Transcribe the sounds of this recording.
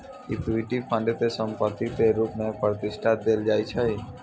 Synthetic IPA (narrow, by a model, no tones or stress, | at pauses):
ɪt̪ɪʈipʰə̃ɳɖet̪esə̃mpət̪it̪eɾuːpmẽpɾət̪ɪsʈʰat̪̚d̪eːld͡ʒaːit͡ʃʰəi